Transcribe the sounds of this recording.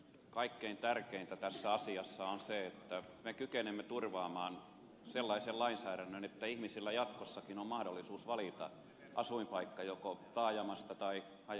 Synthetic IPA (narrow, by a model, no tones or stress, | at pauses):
kɑikːeint̪ærkeint̪æt̪æsːæɑsiɑsːɑonseet̪ːæ | mekykenemːet̪urʋɑːmɑːn | selːɑisellɑinsæːɾænːønet̪ːæihmisilːæjɑt̪kosːɑkinommɑhdolːˑisuːsʋɑlit̪ɑ̰ | ʔɑsuimpɑikːɑjokot̪ɑːjɑmɑst̪ɑt̪ɑi | ɑj